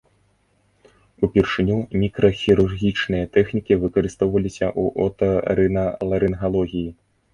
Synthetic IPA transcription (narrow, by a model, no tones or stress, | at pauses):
upʲirʂɨnʲumʲikɾɐxʲiɾurɣʲit͡ʂnɨjɐt̪ɛxnʲikʲivɨkɐɾɨst̪ɔwvɐlʲisʲɐʔuʔɔt̪ɐɾɨnɐlˠɐɾɨnɣalˠɔɣʲiji